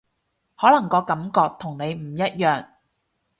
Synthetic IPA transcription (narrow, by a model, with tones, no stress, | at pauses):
hɔː˨˥lɐ˨˩ŋkɔː˧kɐ˨˥mkɔː˧k̚t̪ʰʊ˨˩ŋne˨˧jm̩˨˩jɐ˥t̚jœː˨˩ŋ